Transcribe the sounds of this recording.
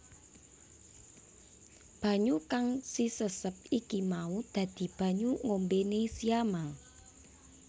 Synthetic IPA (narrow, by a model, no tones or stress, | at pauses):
b̥ä̤ɲukaŋsisəsəp̚ikimaud̪̥ä̤d̪̥i̤b̥ä̤ɲuŋombenesijama